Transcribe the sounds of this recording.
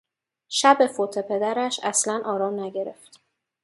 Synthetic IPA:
ʃæbefot̪ʰe̞pʰe̞d̪æɾæʃæslænʔɒːɾɒːmnæɟe̞ɾe̞̰ft̪

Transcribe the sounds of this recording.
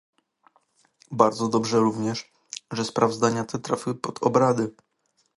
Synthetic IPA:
baɾd̪zɔd̪ɔbʐɛɾuvɲɛʂ | ʐɛspɾavzd̪aɲat̪ʰɛt̪ɾafʲɘpɔd̪̥ɔbɾad̪ɘ

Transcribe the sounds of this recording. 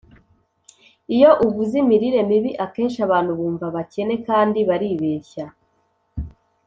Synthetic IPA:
ijo̞ʔuβuzimiɾiɾe̞miβiʔake̞ːnʃaβaːn̥huβuːɱvaβace̞ne̞kaːndiβaɾiβeːça

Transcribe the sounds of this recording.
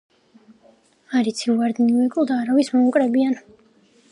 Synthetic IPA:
aɾit̪sʰivaɾd̪nivɛkʼlˠd̪aːɾavismɔukʼɾɛbian

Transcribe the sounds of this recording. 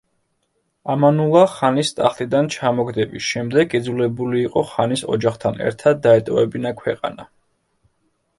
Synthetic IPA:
amanulˠaχanist̪ʼaχt̪ʼid̪ant͡ʃʰamɔɡd̪ɛbisʃɛmd̪ɛɡid̪zulɛbuliːqʼɔχanisɔ̰d͡ʒaχt̪ʰanɛ̰ɾt̪ʰad̪̚ːaɛt̪ʼɔvɛbinakʰwɛqʼa̰na

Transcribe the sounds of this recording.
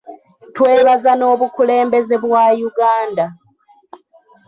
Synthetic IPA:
twe̞ːlazano̞ːβukule̞ːmbe̞zeβwajuɡaːnda

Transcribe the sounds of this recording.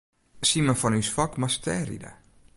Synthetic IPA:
siməfɔnysfɔkmastʰɛɾḭdə̰

